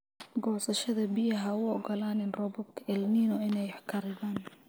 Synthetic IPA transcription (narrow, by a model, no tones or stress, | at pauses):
ɡɔʕsɐʃɐðɐbɪjɐɦɐʊɔɡɔlaːnɪnrɔbɔbkʰɐɛlniːnɔɪnɛjħkʰɐɾɪβaːn